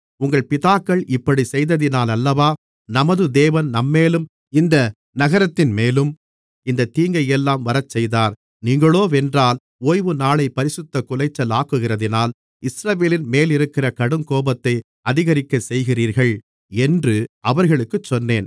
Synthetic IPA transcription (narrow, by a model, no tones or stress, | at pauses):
ʊŋɡɐɭpɪðaːkːɐɭʔɪpːɐɽisɛjðɐðɪnaːlɐlːɐʋaː | nɐmɐðɯd̪eːʋɐnnɐmːeːlɯm | ɪnd̪ɐ | nɐɣɐɾɐt̪ːɪnmeːlɯm | ɪnd̪ɐt̪iːŋɡɐjɛlːaːmʋɐɾɐt͡ʃːɛjðaːɾ | niːŋɡɐɭoːʋɛndraːl | oːjʋɯnaːɭɐɪpɐɾɪsɯt̪ːɐkʊlɐɪt͡ʃːɐlaːkːɯɣɪrɐðɪnaːl | ɪsɾɐʋeːlɪnmeːlɪɾɯkːɪrɐkɐɽɯŋkoːbɐt̪ːɐɪ | ɐðɪɣɐɾɪkːɐsɛjɣɪriːɾɣɐɭ | ɛndrɯʔɐʋɐɾɣɐɭɯkːɯt͡ʃːɔnːeːn